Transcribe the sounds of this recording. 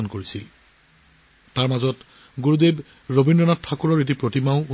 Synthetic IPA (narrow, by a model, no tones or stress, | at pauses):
ɔnkoɹisil | taɹmazɔt | ɡuɹudeb | ɹobindɔnatʰːakuɹɔɹet̬ipɹotimaʊ̃